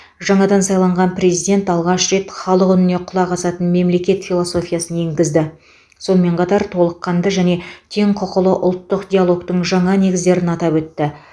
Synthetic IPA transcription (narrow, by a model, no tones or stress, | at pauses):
ʒɑɴɑd̪ɑnsɑjlˠɑɴʁɑnpɾe̞zijd̪ʲe̞nt̪ɑlˠʁɑʃɾe̞t̪χɑlˠəqʏnɪne̞qʰʊlˠɑqɑsɑt̪ənme̞mle̞kʲe̞t̪fʲilˠoso̞fʲijɑsəne̞ŋɡʲɪzd̪ɪ | so̞nəme̞ɴqʰɑt̪ɑɾt̪ʰo̞lˠəqːɑnd̪əʒæne̞t̪ʰe̞ŋqʰʊqəlˠəʔʊlˠt̪ːəqd̪ʲijalˠo̞kt̪əɴʒɑɴɑne̞ɡʲɪzd̪e̞ɾɪnɑt̪ɑpwɵt̪ːɪ